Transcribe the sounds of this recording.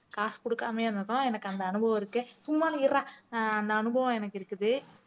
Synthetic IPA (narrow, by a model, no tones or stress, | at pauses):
kaːskɔɽɯkːaːmeːɪɾɯnd̪ɯkːʊ̃ɛnɐkːɐnd̪ɐɐnɯbɐʋɐ̃ɪɾɯkːɯsumːaːnɐɪɾãːɐnd̪ɐːnɯbɐʋɐ̃ɛnɐkːɪɾɯkːɯðɯ